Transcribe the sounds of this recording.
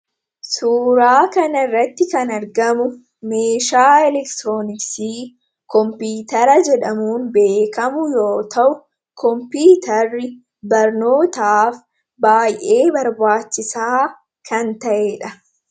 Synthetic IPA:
suːɾaːkɐnɐɪrːɐt̪ːɪkɐnɐɾɡɐmʊ | me̞ːʃaːɛlɛkt̪ɾoːnɪksiː | kɔmpiːt̪ɐɾɐd͡ʒɛᶑɐmuːnbe̞ːkɐmʊjo̞ːt̪ɐʔʊ | kʰɔmpiːt̪ʰɐrːɪ | bɐɾno̞ːt̪aːf | baːjʔe̞ːbɐɾbaːt͡ʃːɪsaː | kʰɐnt̪ɐʔeːᶑɐ

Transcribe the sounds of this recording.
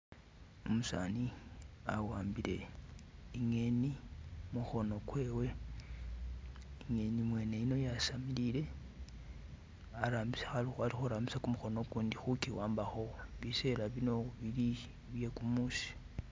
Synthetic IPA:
omusa̰ːniawaːmbile̞̰ | iŋe̞nimuxo̞no̞kwe̞ːwe̞ | iŋe̞nimwe̞ːne̞ino̞jasamilile̞ | aɾaːmbisḁxalixwalixuɾaːmbisakumuxo̞no̞kuːndixukiwaːmbaxo̞βise̞laβino̞βili | βje̞kumusi̥

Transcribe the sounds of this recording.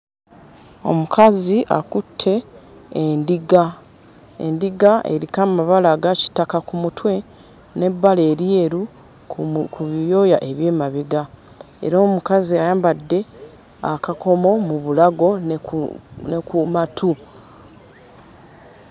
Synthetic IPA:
o̞̰mukʰaziʔa̰kutʰːe̞ː | ndiɡa | ḛndiɡaʔḛɾikamaβalaɡaci̥takakumutwe̞ | ne̞bːale̞ːɾjeɾu | kuβijo̞jaʔe̞βje̞ːmaβiɡa | e̞̰ɾoːmukaziajaːmbadːe̞ | a̰kako̞mo̞muβulaɡo̞ | nekumatʰu

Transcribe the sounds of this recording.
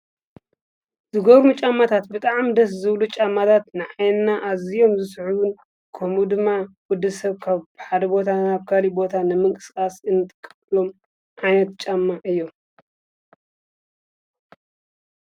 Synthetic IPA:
zɨɡoβɾmut͡ʃʼamːat̪ʰat̪̚bɨt̪ʼaʕmd̪ɐs̬zɨβlut͡ʃʼamːat̪ʰat̪nɨʕajnnaʔazijo̞mzɨsħuwɨn | kʰomud̪ɨmːawʊd̪ɨsɐβkʰaβħad̪ɐbo̞t̪ʰanaβkʰalibo̞t̪ʰanɨmɨŋkʼɨ̥skʼasɨnːt̪ʼɨkʼː | lo̞m | ʕajnɐt̪t͡ʃʼamːaʔɨjːo̞m

